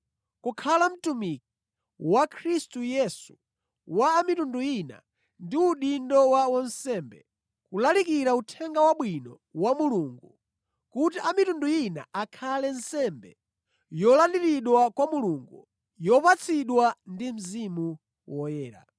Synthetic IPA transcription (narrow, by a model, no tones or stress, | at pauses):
kukʰalam̩tumik̚i̥ | wakʰɾistujɛsu̥ | waːmitunduina̰ | ndiuɗindɔwaɔnsɛmbɛ | kulalikiɾautʰɛŋɡawaɓwinɔ | wamuluŋɡu | kutiʔamitunduina̰akʰalɛnsɛmbɛ̰ | jɔlandiɾiɗwakwamuluŋɡu | jɔpat͡sʰiɗwandim̩zimu | wɔjɛːɾa̰